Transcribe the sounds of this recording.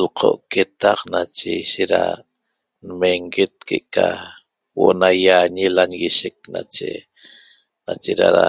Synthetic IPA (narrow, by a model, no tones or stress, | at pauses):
lqʰo̰ʔket̪aqnat͡ʃeiʃeɾa̰ | nmeŋɡet̪̚keʔka | woʔonajaɲelanɣiʃek̚nat͡ʃḛ | nat͡ʃeɾaɾa